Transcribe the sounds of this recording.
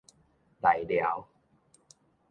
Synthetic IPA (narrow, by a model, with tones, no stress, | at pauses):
t̪a˨˩jlja̰˨˦w